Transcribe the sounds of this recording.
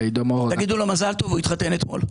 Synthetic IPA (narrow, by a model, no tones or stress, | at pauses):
ejd̪omot̪aɡid̪ulo̞mazalt̪ovuit̪χat̪e̞net̪mo̞̰l